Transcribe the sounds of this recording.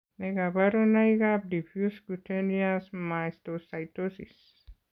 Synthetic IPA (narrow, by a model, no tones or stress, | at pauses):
nejɡabaɾonajɡab̚difjuskutʰeniasmajst̪osajt̪osḭs